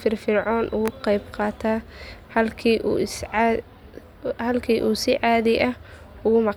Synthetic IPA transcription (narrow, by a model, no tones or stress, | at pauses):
fɪrfɪrʕɔːnʔʊɣʊqɑjbqɑːt̪ʰaːhɐlkʰiːʔuːs | hɐlkʰiːʔuːsɪʕaːðɪʔɐh | ʊɣʊmɑ